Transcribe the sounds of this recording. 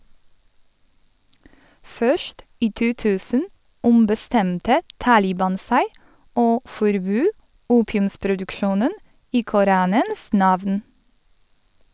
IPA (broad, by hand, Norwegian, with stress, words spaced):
ˈfœʃt ˈiː ˈtuː ˈtʉːsən ʊmbəˈstɛmtə ˈtɑːlɪbɑn ˈsæɪ ˈoː fɔɾˈbøː ˈuːpɪʉmspɾʊdʉkˌʃuːnən ˈiː kʊˈɾɑːnəns ˈnɑʋn